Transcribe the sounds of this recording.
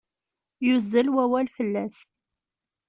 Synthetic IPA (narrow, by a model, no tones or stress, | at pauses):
jʊzːəlwæwælfəlːæs